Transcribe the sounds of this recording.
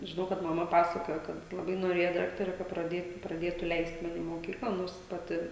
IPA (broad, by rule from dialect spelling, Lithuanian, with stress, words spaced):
ʒʲɪˈnɐʊ kɐt mɐˈmɐ ˈpɑːsɐkoːjoː kɐt lˠɐˈbɐɪ noːˈrʲeːjɛ ˈdɑːktɐrʲɛ kɐ prɐˈdʲeːtʊ prɐˈdʲeːtʊ ˈlʲɛɪst ˈmɑːnʲɪ ɪ moːˈkʲiːklˠɐ ˈnoːrs ˈpɑːtʲɪ